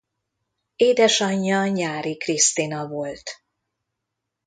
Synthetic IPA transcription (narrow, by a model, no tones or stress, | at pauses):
eːd̪ɛʃɒɲːɒɲaːɾikrist̪inɒvo̞lt̪